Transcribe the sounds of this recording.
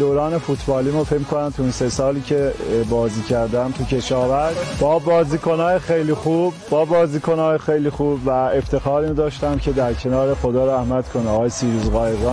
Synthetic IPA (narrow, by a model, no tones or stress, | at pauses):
d̪oːɾɒːne̞fut̪ʰbɒːliːmufecmikʰonæmt̪ʰunsesɒːliːcʰe̞bɒːziːcʰæɾd̪æmt̪ʰucʰe̞ʃɒːvæɾʒbɒːbɒːziːko̞nɒːjexejlixub̚ːɒːbɒːziːkʰo̞nɒːjexejliːxuːbvæe̞ft̪ʰe̞xɒːɾind̪ɒːʃt̪æmcʰe̞d̪æɾcʰe̞nɒːɾexod̪ɒːɾæhmæd̪̥kʰonɒːɣɒːjesiːɾuːzɣɒːjeɾd̪ɑː